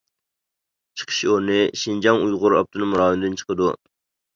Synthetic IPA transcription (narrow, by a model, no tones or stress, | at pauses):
t͡ʃʰə̥qʰə̥ʃioɾnɪʃind͡ʒɑŋujʁʊɾɑ̰p̚t̪ɨnɨmuɾɑːɦɨmd̪ɪnt͡ʃʰə̥qʰəd̪u